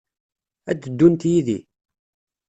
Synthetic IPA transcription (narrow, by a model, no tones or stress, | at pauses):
æd̪əd̪ːunt̪jiðḭ